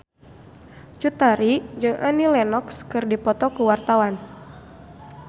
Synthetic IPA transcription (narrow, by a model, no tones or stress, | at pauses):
t͡ʃut̪aɾid͡ʒɨŋʔanilɛnɔkskɨrdipɔt̪ɔkuwart̪awan